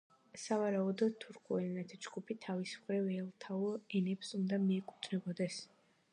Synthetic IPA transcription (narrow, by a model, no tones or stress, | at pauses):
savaɾaud̪ɔd̪̚t̪ʰuɾkʰʼuɛnɛt̪ʰid͡ʒɡupʰit̪ʰavismχɾivɛlˠt̪ʰauɛnɛpsund̪amiɛkʼut̪ʰnɛbɔd̪ɛs